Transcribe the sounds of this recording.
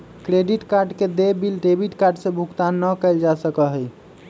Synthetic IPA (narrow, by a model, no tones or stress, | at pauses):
kɾeɖiʈkaɾɖked̪ebilʈebiʈkaɾɖsẽbʱukt̪anːəkəɪld͡ʒasəkəɦəj